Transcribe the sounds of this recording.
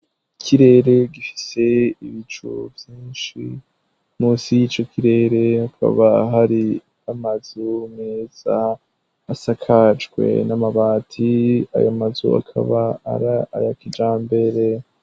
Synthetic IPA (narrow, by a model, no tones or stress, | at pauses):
kʰiɾe̞ɾe̞ɡifi̥se̞iβit͡ʃṵvjiːnʃi | muːsijit͡ʃo̞kʰiɾe̞ɾe̞hakʰa̰βaɦaɾi | amazumeːz̥aː | sakʰad͡ʒɡwe̞̰namaβaːtʰia̰jamazṵa̰kʰa̰βa̰ːɾaajakid͡ʒaːmbe̞ɾe̞